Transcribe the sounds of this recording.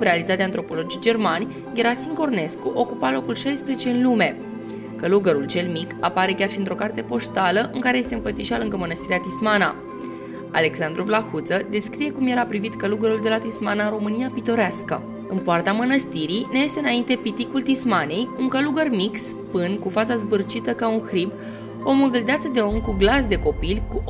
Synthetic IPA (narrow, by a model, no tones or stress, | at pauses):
ɾealizat̪d̪eant̪ɾo̞po̞lo̞d͡ʒid͡ʒe̞rmanʲ | ɡʲeɾasiŋko̞rne̞skuʔo̞kupalo̞kulʃajspɾezet͡ʃe̞ɨnlume̞ | kəluɡəɾult͡ʃe̞lmikapaɾe̞kʲarʃiɨnt̪ɾo̞kart̪e̞po̞st̪aləʔɨŋkaɾejest̪e̞ɨnfət̪siʃalɨŋɡəmənəst̪iɾiat̪ismana | a̰le̞ksand̪ɾuvlaxut̪səd̪e̞skɾije̞kumje̞ɾapɾivit̪kəluɡəɾuld̪e̞lat̪ismanaɨɾo̞mɨnijapit̪o̞ɾeaskə̰ | ɨnpoart̪amənəst̪iɾine̞je̞st̪eɨnaint̪e̞pit̪ikult̪ismane̞juŋkəluɡərmiks | pɨnkufat̪sazbɨrt͡ʃit̪əkaunxɾib | o̞muɡild̪at̪səd̪e̞o̞mkuɡlas̬d̪e̞ko̞pilʲku